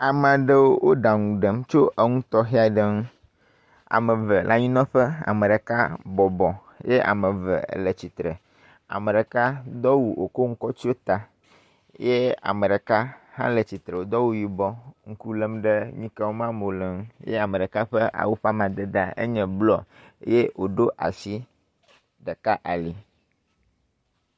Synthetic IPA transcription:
a˨mə̃˨a˨ɖə˦wo˦wo˦ɖa˨ŋũ˨ɖə˨mt͡ʃo˦ʔə˦ŋũ˦t̪ɔ˦xɛ˦a˨ɖə˨ŋũ˦ | a̰˨mə˨və˨lʔa˦ɲĩ˦nɔ̃˦ɸə˦a̰˨mə̃˨ɖə˨ka˦bɔ˨bɔ˨ | je˦ʔa̰˨mə̃˨və̰˨lə˨t͡ɕi˨t̪ɾə˨ | a̰˨mə˨ɖə˨ka˦d̪ɔ˦wu˨wʔo̰˨ko˦ŋũ˦kɔ˦t͡ʃi˦o˦t̪a˨ | je˦a̰˨mə̃˨ɖɛ˨ka˦hã˦le˨t͡ɕi˨t̪ɾɛ˨wo˨d̪ɔ˦wu˦ji˨bɔ˦ŋ̩˦ku˦lə˦mɖɛ˦ɲĩ˦ka˦wo˦mã˦mo˨lɛ˨ŋu˦jḛ˦a˨me˨ɖə˨ka˦ɸɛ˦ʔa̰˨wo˦ɸa˦mã˨d̪e˦d̪a˦ḛ˦ɲɛ̃˨blɔ˨˦je˦wo˨ɖo˦ʔa̰˨si˦ | ɖə˨ka˦ʔa˨li˨

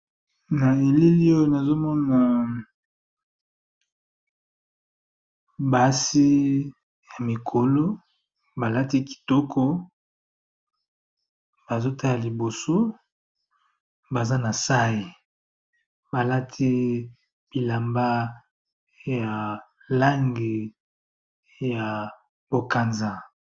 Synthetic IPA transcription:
na˨e˨le˦li˦o˦jo˦na˨zo˦mɔ˦na˨ | ba˨˦si˦ | ja˨mi˨kʰo˨lo˦ | ba˨la˦ti˦ki̥˨tɔ˦kʰɔ˦ | b̥a˨zo˦ta˦la˨li˨bo˨so˦ | ba˨za˦na˨sa˦ji˨ | ba˨la˦tʰi˦ | b̥i˨la˨mba˦ | ja˨ | la˦ŋɡi˨ | ja˨ | bo˨ka˨nza˦

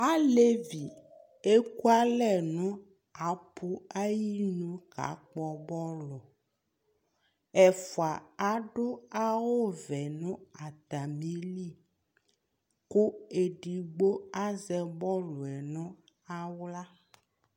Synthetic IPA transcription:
a˦le˦vi˨ | e˦ku˦a˦lɛ˦nɔ̃˦ | a˨pʰu˦a˦ji˦nũ˦ka̰˨˦k͡pɔ˨bɔ˦lɔ˨ | ɛ˨fo˨a˨a˦ɖo˦a˦wo˦vɛ˨nɔ̃˦a˨t̪a˨mĩ˦li˦˨ | ko˦e˨ɖi˨ɡ͡bo˦a˦zɛ˨bɔ˦lɔ˨ɛ˨nɔ̃˦a˦wla˦

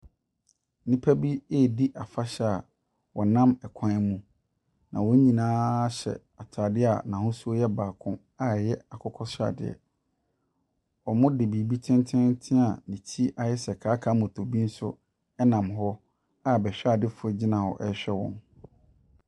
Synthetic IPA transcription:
nĩ˦pʰa˦bi˦e˦˨di˦ʔa˨fa˦ɕɛ˦a˨ | wɔ˨nã˦mɛ˨kʷʰã˦mũ˦ | nã˨wɔ˦ɲĩ˨nãː˦ɕɛ̰˨ | a˨tʰa˨dɪ˦a̰˨nã˨hʊ̃˦su˦ɔ˦jɛ˦baː˨kʰʊ̃˦ | a˨jɛ˦a˨kʰɔ˦kʰɔ˦sa̰˨dɪ̰˨ɛ̰˨ | ɔ˨mʊ̃˦dɪ˨bi˨bi˦tʰɪ̃˦ntʰɪ̃˦ntʰɪ̃˦a˨nĩ˨t͡ɕʰi˦ʔa˨jɛ˦sɛ˨kʰaː˨˦kʰa˨˦mʊ̃˨tʰo˨bi˦n̩˦sʊ˦ | ɛ˦nã˨mɦɔ˦ | a˨bɛ˨ɕᶣa˨dɪ˦fʊ˨ɛ˦d͡ʑi˦nã˨hɔ̰˨ʔɛ˦ɕᶣɛ˦wɔ̰̃˨n

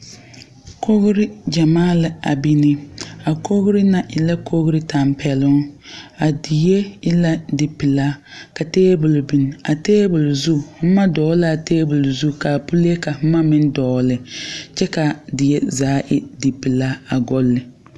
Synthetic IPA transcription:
kʰo˦ɣɾɪ˦d͡ʒa˨maː˦lɪ˨a̰˨bi˦nɪ˦a˨kʰo˦ɣɾɪ˦na˨ʔɪ˨la˦kʰo˦ɣɾɪ˦ta˨mpʰɛ˨lʊ˦a˨di˨je˦ɪ˦la˦dɪ˨pɪ˨la˦ka˨teː˦bʊ˨lbi˨n˨a˨teː˦bʊ˨lzu˦˨˦ma˦dɔː˨˦la˨teː˦bʊ˨lzu˦˨ka˨pu˦le˦ka˨˦ma˦mɪ˦n˦dɔː˨˦lɪ˨t͡ʃɛ˦ka˨dɪ˨je˦zaː˨˦ʔɪ˦dɪ˨pɪ˨la˦a˨ɡɔ˦lːɪ˨

